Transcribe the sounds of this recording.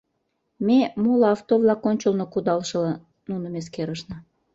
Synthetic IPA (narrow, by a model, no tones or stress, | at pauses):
memolɑɑft̪ovlɑkonʲt͡ɕəlnokud̪ɑlʃɤ̆lɑ | nunəmeskeɾəʃnɤ̆